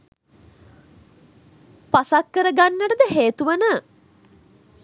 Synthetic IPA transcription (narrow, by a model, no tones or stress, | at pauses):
pasakːəɾəɡanːəʈəd̪əɦeːt̪uʋənə